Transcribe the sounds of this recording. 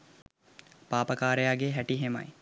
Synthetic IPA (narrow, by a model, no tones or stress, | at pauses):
paːpɐkaːɾejaːɡeɦæʈiɦemɐ̰j